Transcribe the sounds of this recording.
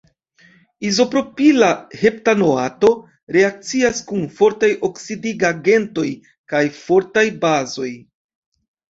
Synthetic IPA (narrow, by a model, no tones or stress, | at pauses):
izo̞pɾo̞pilahe̞ptano̞ato̞ | ɾe̞ak̚t͡siaskunfo̞ɾtajʔo̞ksidiɡaɡe̞nto̞j | kajfo̞ɾtajbazo̞j